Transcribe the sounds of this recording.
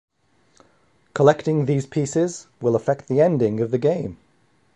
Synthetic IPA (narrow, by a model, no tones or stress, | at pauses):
kʰəlɛk̚tɪ̃ŋðiːz̥pʰiˑsɪzwɪlˠəfɛk̚t̪ðiɛ̃ndɪ̃ŋəvðəɡẽɪ̃m